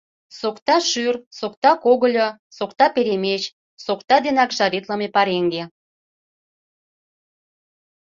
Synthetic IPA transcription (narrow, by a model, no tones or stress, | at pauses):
sokt̪ɑʃyrsokt̪ɑkoɣə̆lʲŏ | sokt̪ɑpeɾemet͡ɕ | sokt̪ɑd̪enɑkʒɑɾet̪ləmepɑɾeŋɡe